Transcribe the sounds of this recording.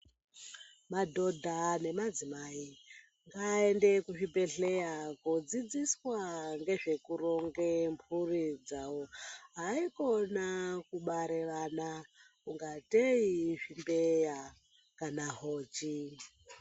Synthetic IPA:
madʱo̞dʱane̞mad͡zimai | ŋɡaende̞kuʐibe̞ɬe̞jakod͡zid͡ziswaŋɡe̞ʐe̞kuroŋɡempʰurid͡zawoɦaikonakuɓaɾe̞ʋana | kuŋɡateiʐimbeja | kanaɦoːt͡ʃi

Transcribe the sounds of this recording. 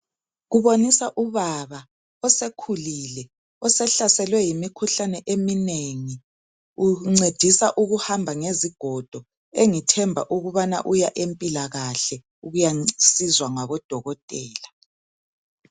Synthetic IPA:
ɣuβonisaʔuβaβa | ɔsekʰulilɛ | ɔsɛɬasɛlwɛjimikʰuɬanɛʔemineŋi | uŋ͡ǀed̥ʱisaʔuɣuhambʱaŋeziɡ̥ʱɔd̥ʱɔ | eŋitʰɛmbʱa̰ʔuɣuβana̰ʔujaʔempʼilaɣaɬɛ | uɣujasizwaŋaβɔd̥ʱɔɣɔtʼɛːla

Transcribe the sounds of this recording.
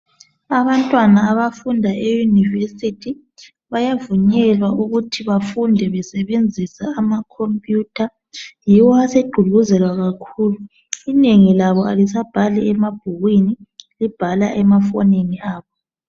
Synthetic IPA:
aβantʼwanaːβafundʱaejunivesitʰi | βajavuɲɛlwaʔuɣutʰiβafundʱɛβɛsɛβend͡zʱisaːmakʰompʼjuːtʰa | jiwɔaseɡ͡ǃʱulɣuzɛlwaɣakʰuːlu | ineŋilaβɔalisab̥ʱalɛɛmab̥̚ʱuɣwinilib̥ʱalaʔɛmafɔneniaːβɔ

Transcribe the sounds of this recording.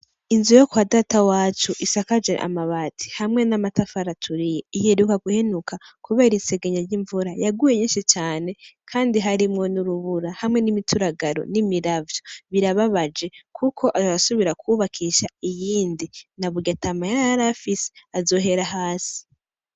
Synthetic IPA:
inzujokwadaːtawaːt͡ʃuʔisakad͡ʒḛʔa̰maβatʰi̥hamŋe̞namatafaɾatʰuɾije̞iheɾukaɡuhe̞nukʰakuβeɾinse̞ɡeɲaɾɟiɱvuɾajaɡuje̞ɲiːnʃit͡ʃaːne̞kʰaːndiɦaɾimŋo̞nuɾuβuɾahamŋe̞nimitʰuɾaɡaɾo̞̰nimiɾavjoβiɾaβaβad͡ʒe̞kʰukʰo̞ʔazaasuβiɾakʰuβakʰiʃaijiːndinaβuɡatamajaaɾafise̥azo̞ːɦe̞ɾaɦaːsi̥

